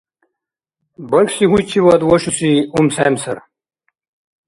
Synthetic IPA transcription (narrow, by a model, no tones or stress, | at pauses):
bɐksiɦujt͡ɕʰiwɐd̪wɐɕusiumsajmsɐ̰ɾ